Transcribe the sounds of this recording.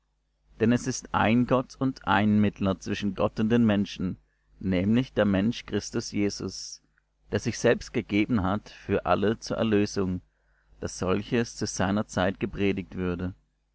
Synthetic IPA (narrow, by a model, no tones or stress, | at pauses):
d̥ɛnɛsɪstʔa̰ɪnɡɔtʊntʔa̰ɪnmɪtʰlɐt͡sv̥ɪʃn̩ɡɔtʊnt̚d̥eːnmɛnʃn̩ | nɛːmlɪçd̥eːɐmɛnʃkʁ̥ɪstʊsjeːzʊ̰s | d̥eːɐzɪçz̥ɛlpst̚ɡ̥əɡeːbn̩ɦatfyːɐʔa̰lət͡suːɐʔɛ̰ɐløːzʊŋ | d̥asz̥ɔlçəst͡suz̥aɪnɐt͡saɪtɡ̥əpʁ̥eːdɪk̚tv̥ʏɐdə